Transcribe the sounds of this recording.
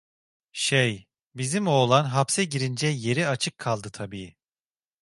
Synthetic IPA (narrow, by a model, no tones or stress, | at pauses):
ʃej | bizimo̞ːlˠanɦapsɛɟiɾind͡ʒɛje̞ɾiat͡ʃʰɯkʰːalˠd̪ɯt̪ʰabiː